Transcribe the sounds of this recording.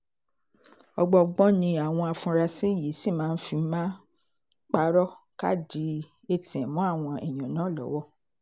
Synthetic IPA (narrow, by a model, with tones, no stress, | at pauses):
ɔ˧ɡ͡bɔ˧ɡ͡bɔ˦nĩ˧a˨w̃ɔ̃˧a˧fũ˧ɾa˧se˦˨je˨˦si˦˨mãː˨˦n̩˦fi˧˦mã˦ | k͡pa˧ɾɔ˦ka̰˦˨d͡ʒi˧˦ | e˧tĩ˨ɛ̃˨mũ˨˦a˦˨w̃ɔ̃˧ʔɛ˨j̃ã˨nãː˨˦˨lɔ̰˨˦wɔ˦